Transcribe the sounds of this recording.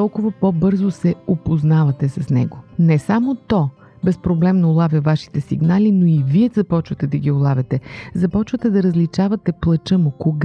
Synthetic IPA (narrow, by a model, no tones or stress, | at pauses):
ɔlˠkʊvɐpɔbɤɾzosɛopoznavɐt̪ɛsɐsnɛ̰ɡonɛsamot̪ɔ | bɛspɾoblɛmnoːlˠavʲɐvaʃi̥t̪ɛsiɡnalinoiviɛzɐpɔt͡ʃvɐt̪ɛd̪ɐɡʲiʊlˠavʲɛt̪ɛzɐpɔt͡ʃvɐt̪ɛd̪ɐɾɐzlit͡ʃavɐt̪ɛplˠət͡ʃəmokoɡ